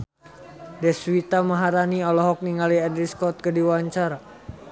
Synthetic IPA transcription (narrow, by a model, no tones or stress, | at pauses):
dɛswit̪amaɦaɾaniɔlɔɦɔk̚niŋaliɛndɾiskɔt̪̚kədiwaɲt͡ʃaɾa